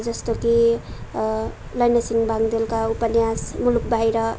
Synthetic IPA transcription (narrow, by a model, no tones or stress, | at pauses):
d͡zʌst̪oki | lʌjnʌsiŋbʱaŋd̪elkaupʌnjasmuluk̚bʱajɾʌ